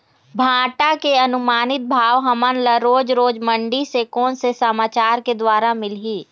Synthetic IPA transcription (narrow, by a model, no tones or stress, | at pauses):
bʱãːʈakeɐnʊmaːnɪt̪̚bʱaːʋɦɐmənləɾoːd͡ʒɾoːd͡ʒmə̃ɳɖisekoːnsesɐmaːt͡ʃaːɾked̪waːɾamɪlɦiː